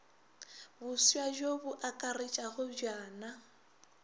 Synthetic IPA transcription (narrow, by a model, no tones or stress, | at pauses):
bʊsiad͡ʒobʊʔakʼarɪt͡ʃʼaɣʊd͡ʒaːna